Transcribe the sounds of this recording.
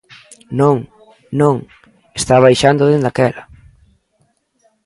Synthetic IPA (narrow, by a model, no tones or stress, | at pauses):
nõŋ | nõŋ | est̪aβajʃand̪oðend̪akɛlɐ